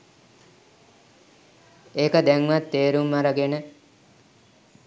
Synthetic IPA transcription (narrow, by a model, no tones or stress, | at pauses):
eːkəd̪ɛŋʋat̪ːeːɾumːaɾəɡenə